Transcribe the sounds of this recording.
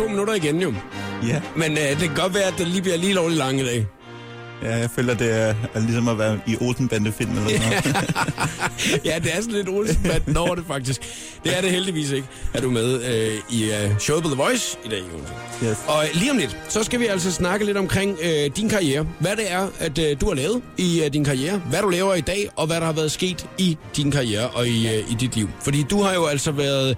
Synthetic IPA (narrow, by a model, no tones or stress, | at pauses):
t͡sʰo̰ːminuɾɐiɡenjo̝ | menød̥e̝kʰæɡ̥ɒ̽d̥ʋæːɐædd̥eliːbliɐliːlɒ̰ːlilɑ̈ŋəid̥ɛ̰ː | jæjɑ̈ɪfø̰ːlɐd̥e̝ælisɒmæʋæɐiʔolsn̩b̥ænd̥əfil̰m̩elɐsn | jæd̥e̝æɐsɒ̽nle̝d̥oːlsn̩b̥ænd̥nɒʊɐɾ̥efɑ̈ɡ̥̚d̥isɡ̥ | d̥e̝æɐɾe̝held̥iʋḭːse̝ɡ̥əæɐd̥umeðˠøiɕoʊðˠbɒðˠəʋɒ̽ɪsid̥ɛ̰ːo̰nseɒ̽liːɒ̽mde̝d̥sɒ̽sɡ̥æʋiæl̰sɒ̽snɑ̈ɡ̥əle̝d̥ɒ̽mkʰʁeŋ̰ød̥inkʰɑ̈ieːɐʋæɾ̥e̝æɐæd̥duæɐlɛːʊð̞̩ˠid̥inkʰɑ̈ieːɐʋæɾ̥ulɛːʊɐid̥ɛ̰ːʔɒ̽ʋæɾɑ̈hɑ̈ʋæɐð̞ˠsɡ̥e̝̰ːd̥id̥inkʰɑ̈ieːɐʔɒ̽iid̥id̥liʊ̰fɒ̽d̥ḭːd̥uhɑ̈jo̝æl̰sɒ̽ʋæːɐð̞ˠ